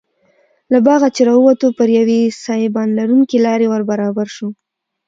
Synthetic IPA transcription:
labɑɣat͡ʃeɾɑəwat̪opəɾjawesɑjebɑnlaɾuŋkelɑɾewəɾbaɾɑbaɾʃo

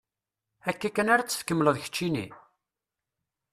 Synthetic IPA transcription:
ækːækːənaɾæt͡sːə̥fkəmːləðçə̥t͡ʃːinḭ

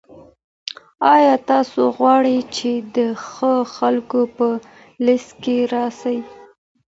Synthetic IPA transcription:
ɑjɑt̪ɑsoɣwɑɽəjt͡ʃed̪əxəxalkopə | lɪskeɾɑsai

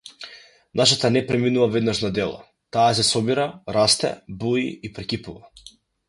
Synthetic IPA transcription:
naʃat̪anɛpɾɛminuvavɛd̪naʃnad̪ɛlˠa̰ | t̪aːs̬ɛsɔbiɾaɾast̪ɛ̰buḭipɾɛkipuva

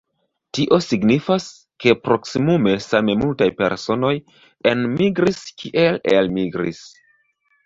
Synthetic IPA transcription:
tiʔo̞siɡnifas | ke̞pɾo̞ksimume̞samemultajpe̞̰ɾso̞no̞j | e̞nmiɡɾiskʰiʔe̞lelmiɡɾḭs

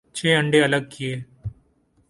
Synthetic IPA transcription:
t͡ʃʰeːɐ̃ɳɖeɐləɡ̚kieː

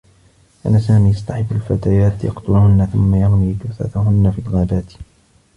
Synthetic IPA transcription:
ʔa̰naːsaːmiːjɑsˤt̪ɑħɪbːalfat̪aːjaːt̪jɑ̰qt̪ʊlʊhʊnːaθʊmːajɑmwiːd̪ʊθa̰θhʊnːafiːlɣaːbaːt̪

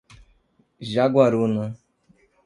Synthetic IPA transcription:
ʒaɡwaɾunə

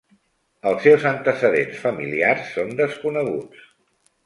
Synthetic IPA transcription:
əlˠsːewzənt̪əsəðensfəmiliarsːond̪əskunəɣṵt͡s

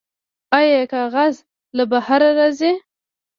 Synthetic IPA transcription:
ɑjekɑɣaz | labahaɾaɾaze

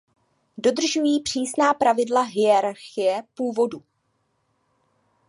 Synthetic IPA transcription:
do̞dr̩ʒujiːpr̥iːsnaːpɾavɪdlaɦɪjɛɾaɾxɪjɛpuːvo̞du

